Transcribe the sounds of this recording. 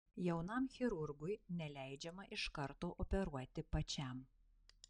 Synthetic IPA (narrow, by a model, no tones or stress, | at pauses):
jɛʊnɐmxʲɪɾʊɾɡʊjnʲɛlʲæˑɪd͡ʒʲɛmɐʔɪʃkɐɾt̪oːʔɔpʲɛɾuɔt̪ʲɪpɐt͡ʃʲɛm